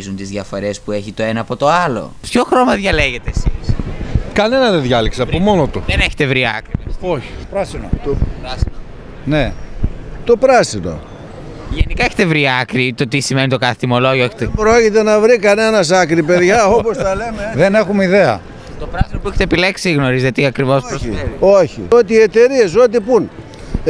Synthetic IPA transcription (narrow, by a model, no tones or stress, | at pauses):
zunt̪izðʝɐfo̞ɾe̞spue̞çit̪o̞e̞nɐːpo̞t̪o̞ɐlo̞̰pço̞xɾo̞mɐðʝɐle̞ʝe̞t̪eːsiskɐne̞nɐðeðʝɐlikseɐpumo̞not̪uðeneçe̥t̪e̞vɾiɐ̰kɾiiesoç̥pɾɐsino̰pɾɐsio | ne | t̪o̞pɾɐsit̪o̰ | ʝenikɐeçe̥t̪evɾiɐkɾit̪o̞t̪isime̞nit̪o̞kɐθe̥t̪imo̞lo̞ʝoeçet̪epɾocit̪e̞nɐvɾikɐne̞nɐs̬ɐkɾipeðʝɐo̞posɐlemeðenexumeiðeɐ̰ | t̪opɾɐsinopueçet̪epileksiɣno̞ɾizet̪iɐkɾivo̞spɾosieioçḭot̪iːet̪e̞ɾie̞s̬ot̪̬ipun